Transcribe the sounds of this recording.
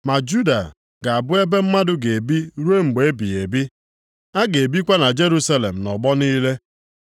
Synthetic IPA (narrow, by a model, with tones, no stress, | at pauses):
ma˨d͡ʒu˦da̰˨ | ɡa˨a˨bʊ˦e˦be˦m̩˦ma˦dʊ˦ɡe˨bi˦ɾu˦e˦ŋ͡m̩˨ɡ͡be˨e˦bi˨e˨bi˦ | a˦ɡe˨bi˦kʷa˦na˨d͡ʒe˦ɾu˦sa˦le˨m̩˨nɔ˨ɡ͡bɔ˦niː˦le˦